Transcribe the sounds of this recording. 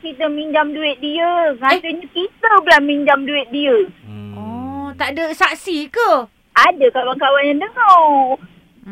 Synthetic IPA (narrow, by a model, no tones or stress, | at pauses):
kit̪əmiɲd͡ʒamduɪt̪̚diəŋat̪əɲakit̪əbəlamiɲd͡ʒamduɪt̪̚diəɔt̪aʔdəsaʔsikə | adəkawaŋkawanjandəŋɔ